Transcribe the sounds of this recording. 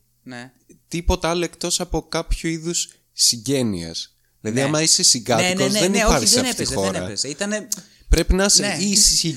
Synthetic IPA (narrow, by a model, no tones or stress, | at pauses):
ne | t̪ipo̞t̪ɐɐloe̞kt̪o̞sɐpo̞kɐpçuiðusː | iɲɟe̞nḭɐ̰s | ðilɐðiɐmɐisesiɡɐt̪ikozðenipɐɾksseɐezxo̞ɾeɐ̰ezeit̪ɐne | pɾe̞pinɐsisi